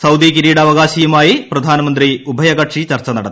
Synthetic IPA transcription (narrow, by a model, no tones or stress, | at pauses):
sɐwd̪ikiɾiːɽɐːʋɐɡaːɕiːjɐmaːjiprɐd̪ʱaːnɐmɐnd̪riubʱɐjɐɡɐʈʂit͡ɕɐrt͡ɕɐnɐɽɐ̰t̪ː